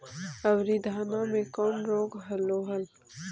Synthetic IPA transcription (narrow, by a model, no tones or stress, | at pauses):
ɐwɾid̪ʱaːnamẽkɔːmɾoːɡɦɐlːoɦɐl